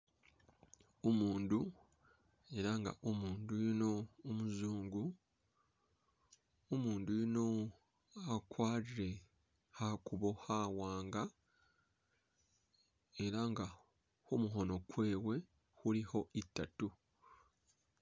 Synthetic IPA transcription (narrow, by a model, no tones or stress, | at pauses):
omuːndu | e̞ɾaŋɡa̰ʔomuːndujino̞ːmuzuːŋɡu | omuːndujino̞ | akwaːɾiɾe̞ | hakuβo̞hawaːŋɡa | e̞ɾaŋɡa | homuɦo̞no̞kwe̞ːwe̞ | huliho̞ʔitːatu